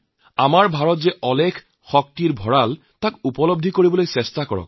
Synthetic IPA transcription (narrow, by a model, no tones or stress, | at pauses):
amaɹbʱaɹɔtzɛʔɔlɛkʰ | xɔk̚tiɹbʱɔɹal | takupɔlɔb̚dʱikoɹibɔlojsɛstakɔ̰ɹɔ̰k̚